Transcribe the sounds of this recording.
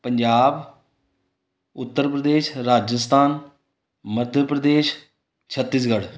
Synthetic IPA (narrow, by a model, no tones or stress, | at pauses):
pəɲd͡ʒaːb | ʊt̪ːəɾpɾəd̪eːʃɾaːd͡ʒəst̪ʰaːn | məd̪ʱjəpɾəd̪eːʃ | t͡ʃʰət̪ːiːs̬ɡəɽ